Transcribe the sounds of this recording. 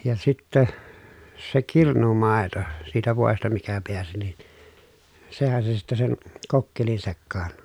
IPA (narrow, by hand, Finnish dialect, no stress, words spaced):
jɑ sitːæ se kirnumɑˑeto siːtæ ʋoˑestɑ mikæ peæsi nin sehæn se sitːe sen kokːelin sekːɑːn